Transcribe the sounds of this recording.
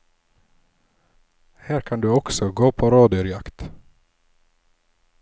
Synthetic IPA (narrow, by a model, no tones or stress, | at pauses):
hæːɾkʰɑnd̪ʉːɔksɔɡoːpʰoːɾɑːd̪ʏɾjɑkt̪